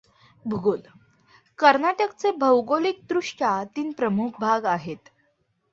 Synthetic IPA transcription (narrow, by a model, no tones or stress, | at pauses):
bʱuɡol | kəɾnaʈəkt͡sebʱəwɡolik̚d̪ɾuʂʈat̪iːnpɾəmuk̚ʰbʱaɡaɦet̪